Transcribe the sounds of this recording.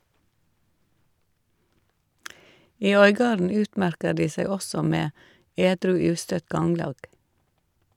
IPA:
ˈiː ˈœʏˌɡɑːɾn̩ ˈʉːtˌmæɾkə ˈɖiː ˈsæɪ ˈɔsɔ ˈmeː ˈeːdɾʉː ˈʉːstœt ˈɡɑŋlɑːɡ

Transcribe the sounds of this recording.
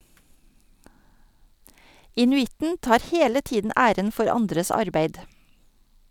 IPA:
ɪnʉˈɪtn̩ ˈtɑːɾ ˈheːlə ˈtiːdn̩ ˈʔæːɾən ˈfɔɾ ˈɑndɾəs ˈɑɾbeɪd

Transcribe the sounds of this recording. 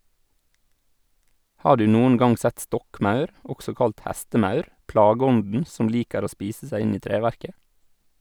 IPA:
ˈhɑː ˈɖʉː ˈnuːən ˈɡɑŋ ˈsɛt ˈstɔkˌmɑʉɾ ˈɔɡsɔ ˈkɑlt ˈhɛstəˌmɑʉɾ ˈpɽɑːɡəˌɔndən ˈsʊm ˈliːkəɾ ˈoː ˈspiːsə ˈsæɪ ˈɪn ˈiː ˈtɾeːʋæɾkə

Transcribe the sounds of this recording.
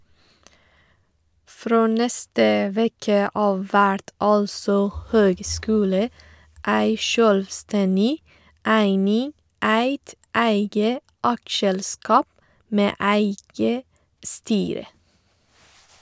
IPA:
ˈfɾoː ˈnɛstə ˈʋɛkə ˈɑːʋ ˈʋæɽt ˈɑlsɔ ˈhøːɡˌskʉːlə ˈæɪ ˈʃøːlʋˌstɛnɪ ˈæɪnɪŋ ˈæɪt ˈæɪɡə ˈʔɑkˌʃɛlˌskɑːp ˈmeː ˈʔæɪɡə ˈstyːɾə

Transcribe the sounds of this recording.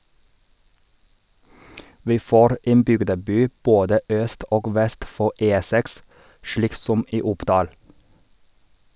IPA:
ˈʋiː ˈfoːɾ ˈʔeːn ˈbʏɡdəˌbyː ˈboːdə ˈʔœst ˈʔoːɡ ˈʋɛst ˈfɔ ˈʔeː ˈsɛks ˈʃliːk ˈsɔm ˈʔiː ˈʊpdɑːl

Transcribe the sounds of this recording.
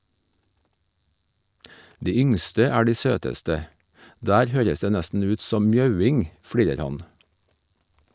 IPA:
ˈdiː ˈʏŋstə ˈæː ˈɖiː ˈsøːtəstə ˈdæːɾ ˈhøːɾəs ˈdeː ˈnæstn̩ ˈʉːt ˈsɔm ˈmjɑʉˌɪŋ ˈfɽiːɾəɾ ˈhɑn

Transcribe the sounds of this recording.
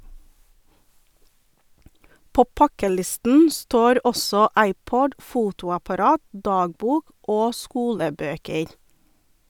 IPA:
ˈpoː ˈpɑkəˌlɪstn̩ ˈstoːɾ ˈɔsɔ ˈɑɪˌpɔd ˈfuːtʊɑpɑˌɾɑːt ˈdɑːɡˌbuːk ˈoː ˈskuːləˌbøːkəɾ

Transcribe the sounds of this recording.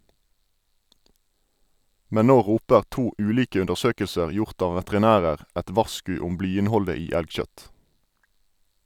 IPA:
ˈmɛn ˈnoː ˈʁuːpəʁ ˈtuː ˈʉːˌliːkə ʉndəʁˈsøːkəlsəʁ ˈjʊʁt ˈɑː ʋətʁɪˈnæːʁəʁ ˈɛt ˈʋɑʁˌskʉː ˈʊm ˈblyːɪnˌhɔlə ˈiː ˈælɡˌʃœt

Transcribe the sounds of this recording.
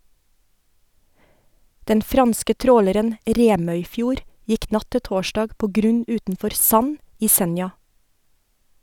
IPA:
ˈdɛn ˈfɾɑnskə ˈtɾoːləɾən ˈɾeːmœʏˌfjuːɾ ˈjɪk ˈnɑ ˈtɪ ˈtoːʃɖɑːɡ ˈpoː ˈɡɾʉɲ ˈʉːtn̩ˌfɔɾ ˈsɑn ˈiː ˈsɛnjɑ

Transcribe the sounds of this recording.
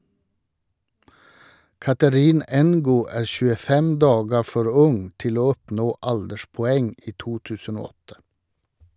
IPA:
ˈkɑtəɾɪn ɛnˈɡuː ˈæː ʃʉːəˈfɛm ˈdɑːɡə ˈfɔɾ ˈʊŋ ˈtɪl ˈoː ˈɔpnoː ˈɑldəʃpɔˌɛŋ ˈiː ˈtuː ˈtʉːsən ˈoː ˈɔtə

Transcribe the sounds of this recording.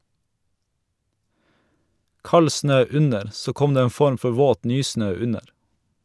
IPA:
ˈkɑl ˈsnøː ˈʉnəɾ ˈsoː ˈkɔm ˈdeː ˈeːn ˈfɔɾm ˈfɔ ˈʋoːt ˈnyːˌsnøː ˈʉnəɾ

